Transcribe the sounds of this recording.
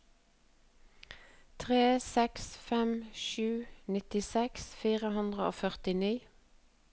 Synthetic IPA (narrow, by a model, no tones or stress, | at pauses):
t̪ʰʁeːsɛksfɛmʃʉːnɪt̪ɪsɛksfiːʁəhʉnd̪ʁəo̰ːfœʁt̪ɪniː